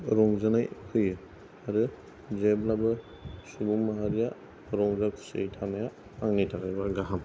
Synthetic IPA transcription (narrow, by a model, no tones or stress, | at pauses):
ɾɔŋzanajkʰɯjɯ | aɾɯ | zeblabɯ | subuŋmaɦaɾija | ɾɔŋzakʰu̥sɯjtʰamajaː | ŋnitʰakʰajbaɡaɦam